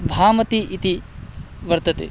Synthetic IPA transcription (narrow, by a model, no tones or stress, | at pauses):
bʱaːmɐt̪iʔit̪i | ʋɐɾt̪ɐt̪ḛ